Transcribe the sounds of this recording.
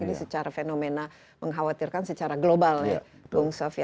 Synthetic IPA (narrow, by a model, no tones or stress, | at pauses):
idisət͡ʃaɾafenomena | məŋɦawat̪irkansət͡ʃaɾaɡlobalja̰ | kuŋsofiɛ